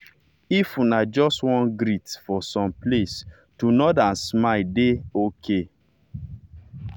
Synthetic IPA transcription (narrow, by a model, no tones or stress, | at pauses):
ifunad͡ʒɔstwɔ̃nɡɾitfɔsɔ̃mples | tunɔtãnsmadeokʰe